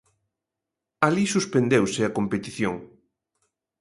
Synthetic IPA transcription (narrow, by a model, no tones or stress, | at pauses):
alisuspend̪ewsɪɐkompet̪iθjoŋ